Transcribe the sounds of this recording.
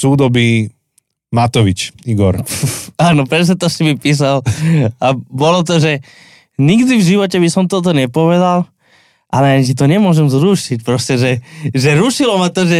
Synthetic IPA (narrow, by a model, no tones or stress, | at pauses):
suːd̪ɔbi | mat̪ɔʋit͡ʃiɡɔ̰ɾaːnɔpɾɛs̬ɲɛt̪ɔsimipiːs̬alabɔlɔt̪ɔʒɛ | ɲiɡd̪ivʒiʋɔcɛbisɔmt̪ɔt̪ɔɲɛpɔʋɛd̪al | ʔalɛaɲis̬it̪ɔɲɛmʊɔʒɛmzɾuːʃicpɾɔscɛʒɛʒɛɾuʃilɔmat̪ɔʒɛ